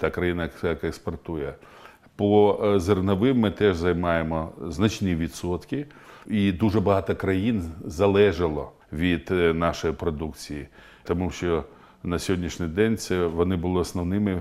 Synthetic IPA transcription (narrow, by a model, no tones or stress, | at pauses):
t̪ɑkɾɐjinɐɐkekspɔrt̪ujɛ | pɔzernɐʋɪmmɪt̪ɛʒzɐjmɑjemɔznɐt͡ʃniʋʲid̪sɔt̪kɪid̪uʒɛbɐɦɑt̪ɔkɾɐjinzɐlˠɛʒɐlˠɔ | ʋʲid̪̥nɑʃɔjipɾɔd̪ukt͡sʲiji | t̪ɔmuʃt͡ʃɔ | nɐsʲɦɔdʲnʲiʃnʲɪjd̪ɛnʲt̪sɛʋɔnɪbʊlˠɪɔsnɔwnɪmɪ